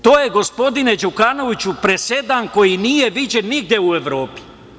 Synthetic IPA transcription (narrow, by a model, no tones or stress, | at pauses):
t̪oːjeɡo̞spo̞d̪ine̞d͡ʒukano̞ʋit͡ɕupɾe̞sed̪anko̞jinijeʋid͡ʑenːiɡ̚d̪je̞ueʋɾo̞ːpi̥